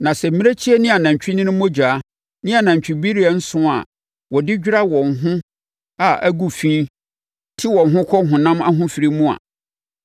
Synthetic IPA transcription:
nã˨sɛ˨m̩˨mĩ˦e˦t͡ɕʰi˦ɛ˦nɪ̃˦a˨nã˨ɲ˨t͡ɕᶣi˦nɪ̃˦nʊ̃˦mõ˦d͡ʑᶣa˨˦ | nɪ̃˦a˨nã˨ɲ˨t͡ɕᶣɪ˨bi˦ɾi˦a˨n̩˦sʊ̃˦˨a̰˨ | wɔ˨dɪ˦d͡ʑᶣɾa˦wɔ̃˨ŋɦʊ̃˦ | a˨ʔæ˦ɡu˨fĩ˦ | tʰi˦wɔ̃˨n˨ɦʊ̃˦kʷʰɔ˦ɦʊ̃˨nã˦ma̰˦ɦʊ̃˦fi˨ɾi˦mũ˦a̰˨

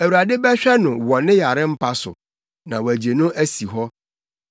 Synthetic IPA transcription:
æ˨wu˨a˨dɪ˦bɛ˦ɕᶣɛ˦nʊ̃˨wɔ̃˨nɪ̃˦ja˨ɾɪ˦m̩˦pʰa˦sʊ̰˨ | nã˨wæ˨d͡ʑe˨nʊ̃˦ʔæ˦si˨ɦɔ˦

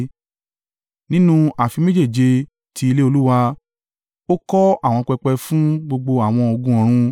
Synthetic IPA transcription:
nĩ˦nũ˦a˨fi˧me˦d͡ʒe˦˨d͡ʒe˧ | tʰi˧˦i˧le˦o˧lu˦wa˧ | o˦kɔ˦a˦˨w̃ɔ̃˧k͡pɛ˧k͡pɛ˧fũ˦ɡ͡bo˧ɡ͡bo˧a˨w̃ɔ̃˧o˧ɡũ˧˦ɔ̃˨ɾ̃ũ˧

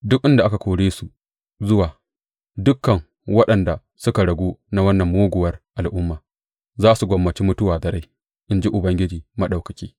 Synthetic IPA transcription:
dʊ˦k̚ʔɪ˦nda˨ʔa˦ka˨kʷoː˨ɽeː˦su˨ | zʊ˦waː˨ | dʊ˦kːɐ˨ŋ | wɐ˦ɗɐ˨nda˨ | sʊ˦ka˨ɽɐ˨ɡʷuː˦na˦wɐ˦nːɐ˨mːoː˦ɡʷʊ˨wɐ˦rʔa˨lʔʊ˦mːaː˨ | zaː˦su˨ɡʷɐ˨mːɐ˨t͡ʃiː˦mʊ˦tʊ˦waː˨dɐ˨ɾa˦j | ʔɪ˦nd͡ʒi˦ʔʊ˨bɐ˦ŋɡʲɪ˦d͡ʒiː˨mɐ˦ɗa˨kɐ˨kʲiː˦

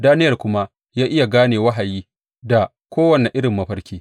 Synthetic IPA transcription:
daː˦nɪ˦jɐ˨rkʷʊ˦ma˦ | jaː˦ʔɪ˦ja˨ɡaː˦neː˨wɐ˦ɦa˨jiː˦ | da˨ | kʷoː˦wɐ˨nɛ˨ʔɪ˦ɽɪ˨mːɐ˦ɸɐ˦rkʲeː˦

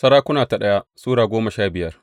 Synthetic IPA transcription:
sɐ˦ɽaː˦kʷʊ˦naː˨ta˨ɗɐ˦ja˦suː˦ɽaː˨ɡʷoː˦mɐ˨ʃaː˦bɪ˨jɐ˦r

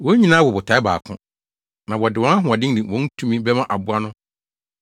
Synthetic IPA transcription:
wɔ˦ɲĩ˦nãː˦wɔ˨bʊ˨tʰa˨˦ba̰ː˨kʰʊ̃˦ | nã˨wɔ˨dɪ˨ɔ̃˦a˦ɦʊ̃˨a˨dɪ̃˦n˦dĩ˨wɔ̃˨˦n̩˦tʰũ˦mĩ˦bɛ˦mã˦ʔa˨bʊ˦a˦nʊ̃˦

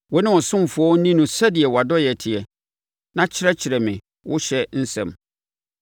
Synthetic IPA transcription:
wɔ˨˦nɪ̃˦wɔ̃˨sʊ̃˦m˨fʊ˨˦ɔ˦n̩˦nĩ˦nũ˨sa˦di˨ɛ˨wa˨dɔ˦jɛ˨tʰɪ˨ɛ˨ | nã˦t͡ɕʰɪ˦ɾɛ˦t͡ɕʰɪ˨ɾɛ˨mɪ̃˨ | wʔʊ̰˦ɕɛ˦n̩˦sɛ̰̃˨m

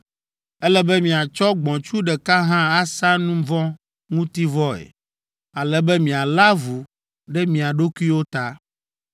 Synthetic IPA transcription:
ɛ˦lɛ˦bɛ˦mĩ˨a˨t͡ʃɔ˦ɡ͡bɔ̃˨t͡ʃu˦ɖɛ˨ka˦ɦã˦a˦sa˦nũ˦vɔ̃˦ | ŋũ˦t̪i˦vɔ˦ɛ̰˨ | a˨lɛ˨bɛ˦mĩ˨a˨la˦vu˨ | ɖɛ˦mĩ˨a˨ɖo˦ku˦i˦wo˦t̪a˦

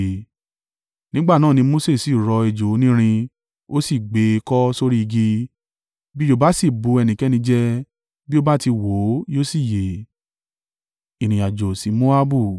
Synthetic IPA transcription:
nĩ˦ɡ͡ba˦˨nãː˦˨nĩ˧mo˦se˦˨si˨ɾɔ˧e˨d͡ʒo˨˦nĩ˦ɾ̃ĩ˧ | o˦si˦˨ɡ͡be˨˦˧kɔ˦so˦ɾi˦i˧ɡi˧ | bi˦jo˦˨ba˦si˦˨bu˧˦ɛ˧nĩ˨kɛ˨˦nĩ˧d͡ʒɛ˦ | bi˦o˦ba˦ti˧wo˨˦jo˦si˦˨je˨ | i˨ɾ̃ĩ˨a˨d͡ʒo˨si˨˦mo˦a˦bu˦˨

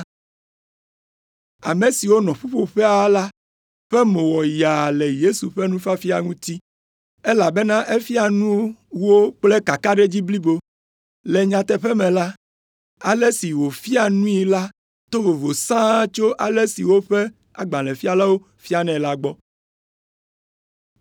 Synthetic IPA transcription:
a̰˨me˨si˨wo˦nɔ̃˨ɸu˦ɸo˦ɸɛ˦a˦la˦ | ɸɛ˦mõ˨wɔ˨ja˨lɛ˨je˦su˨ɸe˦nũ˦fa˦fi˦a˨ŋũ˦t̪i˦ | e˦la˨be˦nã˦ʔe˦fi˦a˨nũ˦wo˦wo˦k͡ple˦ka˨ka˦ɖe˦d͡ʑi˦bli˦bo˦ | lɛ˨ɲã˨t̪ɛ˦ɸɛ˦mɛ̃˨la˦ | a˨le˦si˨wo˨fi˦a˨nũ˦i˨la˦ | t̪o˦vo˨vo˨sã˦t͡ʃo˦ʔa˨le˦sḭ˨wo˦ɸe˦ | a̰˨ɡ͡bã˨lɛ̃˨fi˦a˨la˦wo˦ | fi˦a˨nɛ̃˨la˦ɡ͡bɔ˦

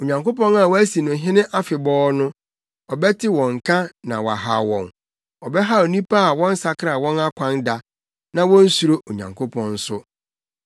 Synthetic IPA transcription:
o˨ɲã˨ŋko˦pɔ̃˦na˨wɔ˦æ˦si˨nʊ̃˨˦ɦɪ̃˦nɪ̃˦ʔa˦fɪ˨bɔː˦nʊ̃˦ | ɔ˨bɛ˦tʰɪ˦wɔ̃˨ŋ̩˨kʰã˦nã̰˨wa̰˨ɦa̰˨wɔ̰̃˨n | ɔ˨bɛ˦ɦa˦o˨nĩ˦pʰa˦a˨wɔ̃˦n̩˦sa˨kʰɪ˦ɾa˨wɔ̃˦na˦kʷʰã˦nda˨ | nã˨wɔ̃˦n̩˦su˨ɾo˦o˨ɲã̰˨ŋkʰo˦pʰɔ̃˦n̩˦sʊ˦

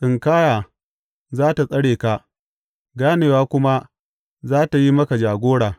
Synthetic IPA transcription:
sɪ˨ŋkaː˦jaː˨ | zaː˦ta˨sʼɐ˦ɽeː˨ka˨ | ɡaː˦neː˨waː˦kʷʊ˦ma˦ | zaː˦ta˨ji˦mɐ˦ka˨d͡ʒaː˨ɡʷoː˦ɽaː˨

